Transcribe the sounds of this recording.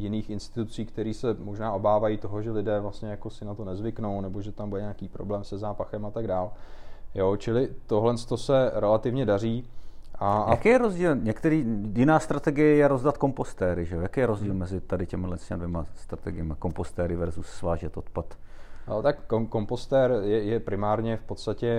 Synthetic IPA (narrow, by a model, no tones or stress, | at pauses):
jɪniːxɪnst̪ɪt̪ut͡siːkt̪ɛɾiːsɛmoʒnaːʔo̞baːvajiːt̪o̞ɦoʒɛlɪdɛːvlast̪ɲɛjakosɪnat̪o̞nɛzvɪkno̞wnɛbo̞ʒɛt̪ambudɛɲeakiːpɾo̰blɛːmsɛzaːpaxɛmat̪aɡdaːljot͡ʃɪlɪt̪o̞ɦlɛnst̪osɛɾɛlat̪ɪvɲɛdariːʔajakjɛɾozɟiːlɲɛkt̪ɛɾiːjɪnaːst̪ɾat̪ɛɡɪjɛjɛɾozdat̪ko̞mpost̪ɛːɾɪʒɛojakejɛɾozɟiːlmɛzɪt̪adɪcɛmɪdlɛscɛadvjɛmast̪ɾat̪ɛɡɪjɛmako̞mpost̪ɛːɾɪvɛɾzussvaːʒɛt̪ʔot̪pat̪ːt̪akːoko̞mpo̞st̪ɛːɾjɛjɛpɾɪmaːɾɲɛfpot̪st̪acɛ